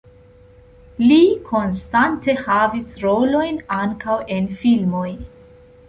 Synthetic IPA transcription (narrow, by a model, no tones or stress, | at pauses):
likʰo̞nstante̞havisɾo̞lo̞jnaŋkawʔe̞nfilmo̞j